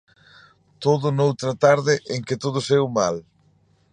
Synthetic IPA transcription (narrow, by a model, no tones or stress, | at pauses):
t̪oðʊnowt̪ɾat̪aɾðɪʔeŋkɪt̪oð̞ʊsewmal